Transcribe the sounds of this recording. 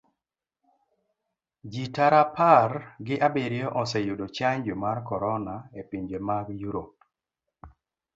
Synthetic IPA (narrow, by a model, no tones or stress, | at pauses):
d͡ʒitaɾapaɾɡɪʔabeɾɪjɔʔɔsɛjudot͡ʃaɲd͡ʒomarkɔɾɔnaepiɲd͡ʒemaɡjuɾop